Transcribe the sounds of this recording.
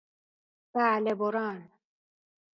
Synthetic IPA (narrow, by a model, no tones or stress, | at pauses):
b̥aːleboɾɑːn